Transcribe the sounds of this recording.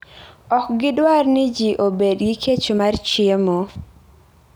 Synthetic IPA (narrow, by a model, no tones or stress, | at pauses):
ɔkɡɪdwarnɪd͡ʒiʔobedɡikʰet͡ʃomart͡ʃjemo